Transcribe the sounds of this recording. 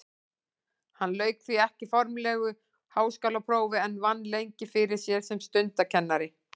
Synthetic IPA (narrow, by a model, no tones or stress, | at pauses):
hanlœːɥkθiɛhcɪfɔɾmlɛːɣʏ | haːwskawlapʰɾoːwvɪɛnvanːlejɲcɪfɪɾɪɾ̥sjɛɾ̥sɛmst̪ʏnt̪acʰɛnːaɾɪ